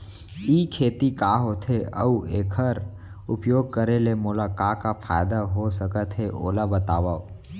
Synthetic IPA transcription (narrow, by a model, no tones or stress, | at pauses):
iːkʰeːt̪ikaːɦot̪ʰeə̰ueːkʰəɾ | ʊpjoːɡ̚kəɾelemolakaːkafʰaːjd̪aɦosəkət̪ɦeʔo̰ːlabət̪aːwao